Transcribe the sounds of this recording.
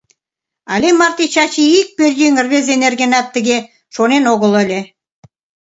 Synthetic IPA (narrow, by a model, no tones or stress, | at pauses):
ɑ̰lʲemɑrt̪it͡ɕɑt͡ɕiik̚perʲjiŋə̆rβĕzenerɡenɑt̪ːə̆ɣe | ʃonenoɣə̆lə̆lʲe